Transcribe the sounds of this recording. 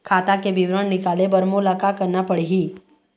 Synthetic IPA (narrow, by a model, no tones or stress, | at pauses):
kʰaːt̪akebɪʋɾəɳnɪkaːlebəɾmolakakəɾnapəɽiɦi